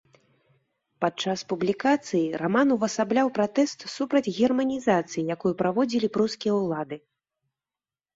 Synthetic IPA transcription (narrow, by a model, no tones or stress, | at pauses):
pat͡ʂaspublʲikat̪sɨjiramanuvɐsablʲawpɾat̪ɛst̪supɾɐd͡zʲɣʲɛrmɐnʲizat̪sɨjijakujupɾavɔd͡zʲilʲipɾuskʲijɐwlˠad̪ɨ